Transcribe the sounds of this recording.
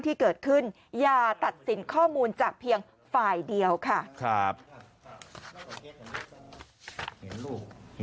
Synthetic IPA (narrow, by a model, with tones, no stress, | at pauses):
nt̪ʰiː˥˩kɤː˨˩t̪̚kʰɯ˥˩n | jaː˧t̪a˨˩t̪̚si˩˦nkʰɔː˥˩muː˧nt͡ɕaː˨˩k̚pʰi˧əŋ | faː˨˩jdi˧əwkʰa˥˩kʰa˦˥p̚